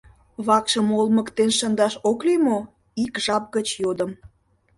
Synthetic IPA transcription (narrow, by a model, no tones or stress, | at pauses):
βɑkʃə̆molmə̆kt̪enʃənd̪ɑʃoklemo | ikʒɑp̚ɣət͡ɕjod̪ə̆m